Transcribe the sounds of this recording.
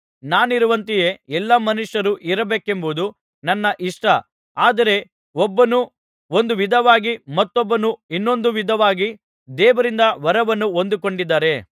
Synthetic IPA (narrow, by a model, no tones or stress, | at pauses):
naːniɾuʋɐnt̪ije̞ɛlːɐmɐnuʂɐɾuʔiɾɐbeːke̞mbud̪u | nɐnːɐʔiʂʈɐ | aːd̪ɐɾe̞ | ɔbːɐnu | o̞nd̪uʋid̪ʱɐʋaːɡimɐt̪ːɔbːɐnuinːo̞nd̪uʋid̪ʱɐʋaːɡi | d̪ɛːʋɐɾind̪ɐʋɐɾɐʋɐnːuo̞nd̪uko̞ɳɖid̪ːaːɾe̞